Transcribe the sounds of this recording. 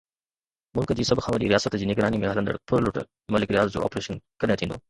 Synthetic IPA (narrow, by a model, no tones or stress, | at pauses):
mʊlkd͡ʑiːsɐbʱxʰãːʋɐɾḭːɾijaːsət̪d͡ʑiːnɪɡɾaːnimẽɦɐlənd̪ə̰ɽpʰʊɾlʊʈ | mɐlɪkɾijaːzd͡ʑo̰ːɔ̰ːpɾeːʃənkɐɾet̪ʰĩːnd̪o̰ː